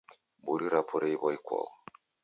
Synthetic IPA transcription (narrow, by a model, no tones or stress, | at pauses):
buɾiɾapʰuɾɛiβaikwa̰ɔ